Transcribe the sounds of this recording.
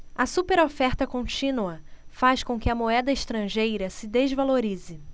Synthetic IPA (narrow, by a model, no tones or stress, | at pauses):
ɐsupeɾofɛɾt̪ɐkõt͡ʃĩnuɐfaʃkõkɪɐmoɛd̪ɐɪʃt̪ɾɐ̃ʒejɾɐsɪd̪ezvaloɾizɪ